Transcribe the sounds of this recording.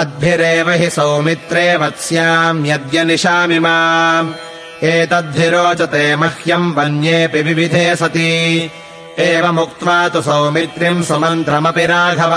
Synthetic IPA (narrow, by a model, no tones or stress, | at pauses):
ɐd̪̚bʱjiɾeːʋɐɦisɐwmit̪ɾeːʋɐt̪sjaːmjɐd̪jɐniʃaːmimaː | eːt̪ɐd̪̚bʱjiɾoːt͡ʃɐt̪eːmɐhjɐmʋɐnjeːpiʋiʋid̪ʱeːsɐt̪i | eːʋɐmuk̚t̪ʋaːt̪usɐwmit̪ɾimsɐmɐnt̪ɾɐmɐpiɾaːɡʱɐʋɐ